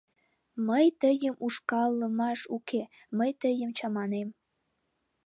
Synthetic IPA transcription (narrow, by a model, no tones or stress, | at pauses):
məjt̪əjəmuʃkɑlˠːɤ̆mɑʃukʰe | məjt̪əjə̆mt͡ɕɑmɑnem